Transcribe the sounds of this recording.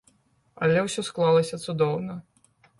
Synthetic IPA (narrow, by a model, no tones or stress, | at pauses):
ɐ̰lʲɛwsʲɔsklˠalˠɐsʲɐt̪sud̪ɔwnɐ